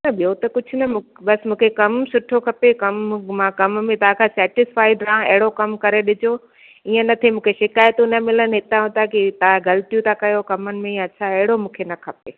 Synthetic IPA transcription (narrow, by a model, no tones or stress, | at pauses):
nɐɓijot̪ɐkʊd͡ʑʱʊnɐmũbɐsmũːkʰekɐmsʊʈʰokʰɐpekɐmmãkɐmmẽt̪ɐɦãkʰãsɛːʈɪsfaːɪɖɾãːɐ̰ɦɪɽokɐmkɐɾeɗɪd͡ʑo | iːə̃nɐt̪ʰemũːkʰeʃɪkaːjt̪unɐmɪlənɪ̆ɦɪt̪aɦʊ̃t̪akit̪ɐãɡɐlt̪ijũt̪ʰakɐjokɐmənɪ̆mẽjãɐt͡ɕʰaɐɦɪɽomũːkʰenɐkʰɐpe